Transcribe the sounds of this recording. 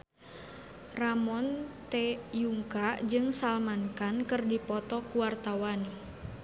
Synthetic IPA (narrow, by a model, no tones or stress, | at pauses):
ramɔnt̪ɛjuŋkad͡ʒɨŋsalmankankɨrdipɔt̪ɔkuwart̪awan